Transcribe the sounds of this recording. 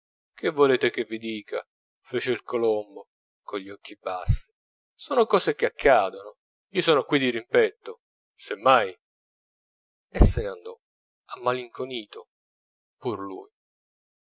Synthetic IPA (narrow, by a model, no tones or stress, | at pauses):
k̟ʰevːoleːt̪ek̟evːid̪iːkʰa̰ | feːt͡ʃeilkolombo | koʎːiɔk̟ːibasːi̥ | soːnokɔːsek̟eakʰːaːd̪ono | iːosoːnokwid̪iɾimpɛt̪ːo | semːaj | esːeneand̪ɔ | amːaliŋkoniːt̪o | purlṵj